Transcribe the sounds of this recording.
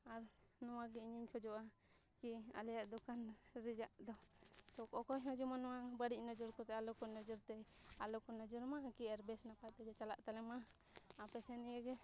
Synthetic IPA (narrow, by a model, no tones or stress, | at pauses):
aɾnɔwaɡɛiɲiɲkʰɔd͡ʒɔʔa | kia̰lɛjaʔd̪ɔkanɾid͡ʒaʔd̪ɔt̪ɔkɔkɔɦɔ̃d͡ʒɔmanɔwabaɽiʔ̚nɔd͡ʒɔɾkɔt̪ɛalɔkɔnɔd͡ʒɔɾt̪ɛalɔkɔnad͡ʒɔɾmakiaɾbɛsnapat̪ɛɡɛt͡ʃalaʔt̪alɛmaː | pɛsɛniaɡɛ